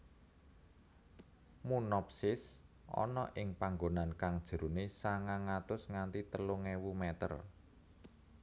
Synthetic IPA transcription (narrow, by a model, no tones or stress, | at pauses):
munɔpsɪsʔɔ̰nɔʔɪŋpaŋɡonankaŋd̥ʒ̥ə̤ɾunesaŋaŋat̪ʊsŋant̪it̪əluŋewumɛt̪ə̰r